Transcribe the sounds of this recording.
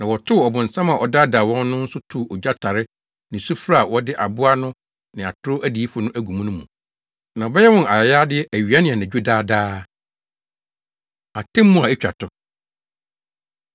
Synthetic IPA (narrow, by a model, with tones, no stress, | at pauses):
nã˨wɔ˨tʰʊ˦ɔ˨bʊ̃˨n̩˨sã˦mã˨ʔɔ̰˨da˦da˨wɔ̃˦nː˦ʊ̃˦n̩˦sʊ˦tʰu˦˨ɔ˨d͡ʑᶣa˦tʰa˨ɾɪ˦ | nɪ̃˨su˦fɾa˦a˨wɔ˦dɪ˦ʔa˨bʊ˦a˦nʊ̃˦ | nɪ̃˨a˨tʰʊ˦ɾʊ˦ʔæ˦di˨i˦fʊ˨nʊ̃˦ʔæ˦ɡũ˨mũ˦nʊ̃˦mũ˨ | nã˨ɔ˨bɛ˦jɛ˦wɔ̃˦na˨jɛ˨jaː˦dɪ˦ɛ˦ʔæ˨ɥi˨a˦nɪ̃˨ɛ˨næ̃˨d͡ʑᶣu˦daː˦daː˦ | a˨tʰɛ̃˦mːũ˦a˨ɛ˦t͡ɕᶣa̰˨tʰʊ˦